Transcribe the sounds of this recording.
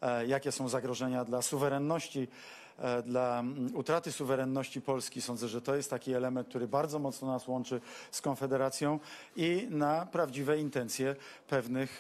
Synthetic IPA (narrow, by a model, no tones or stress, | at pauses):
jakʲɛsɔ̃w̃zaɡɾɔʐɛɲad̪lasuvɛɾɛnːɔɕt͡ɕi | d̪laut̪ɾat̪ɘsuvɛɾɛnːɔɕt͡ɕipɔlskʲisɔ̃nzɛʐɛt̪ɔjɛst̪ːakʲiɛlɛmɛ̃n̚k̚t̪uɾɘbaɾd̪zɔmɔt̪snɔnaswɔnt͡ʂɘskɔnfɛd̪ɛɾat̪sʲjɔ̃w̃ | inapɾavd͡ʑivɛint̪ɛnt̪sʲjɛpɛvnɘx